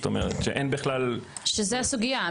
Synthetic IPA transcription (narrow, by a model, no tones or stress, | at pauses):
t̪o̰mḛʁet̪ʃeʔenbiχlal | ʃezeasuɡija